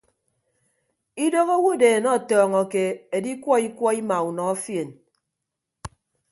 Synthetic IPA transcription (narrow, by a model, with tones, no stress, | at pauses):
i˦do˦ɣo˦wu˦˨deː˨nɔ˦˨tɔː˨ŋɔ˨ke˨e˨di˦kwɔ˦i˦kwɔ˦i˦ma˨u˨nɔ˨ɔ˦fje˨n